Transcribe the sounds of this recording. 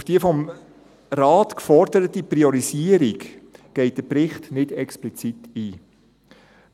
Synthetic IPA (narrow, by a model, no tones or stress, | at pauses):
ʊfd̥iəfɔm | raːtkfɔɾdəɾətipriɔɾisiəɾikɡ̥ɛɪt̚d̥əprɪχtnɪdɛksplit͡sitiː